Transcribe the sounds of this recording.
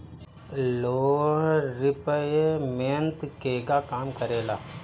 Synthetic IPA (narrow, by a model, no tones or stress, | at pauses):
loːɾɪpəjemeːnt̪keːɡakaːmkəɾeːlaː